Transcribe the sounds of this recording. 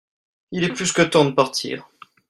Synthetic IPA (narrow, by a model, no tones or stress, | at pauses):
ilɛplyskət̪ɑ̃d̪əpaʁt̪ʰḭːʁ